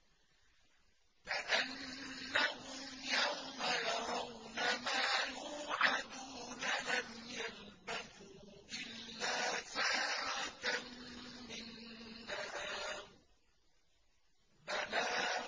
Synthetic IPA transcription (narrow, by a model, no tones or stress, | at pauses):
kaʔanːahʊmjawmajɑɾˤɑwnamaːjuːʕad̪uːnalamjal | baθuː | ʔɪlːaːsaːɾat̪ammɪnːaaː | banaː